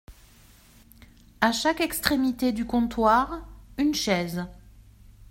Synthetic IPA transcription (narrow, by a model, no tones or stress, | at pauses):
aʃakɛkst̪χemit̪ed̪ykɔ̃t̪waʁynʃɛz